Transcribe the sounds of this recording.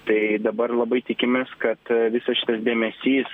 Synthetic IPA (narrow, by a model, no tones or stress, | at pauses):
t̪ɐɪd̪ɐbɐɾlˠɐbɐɪt̪ʲɪkʲɪmʲeːskɐt̪ʋʲɪsɐsʃʲɪ̥t̪ɐsd̪ʲeːmʲɛsʲiːs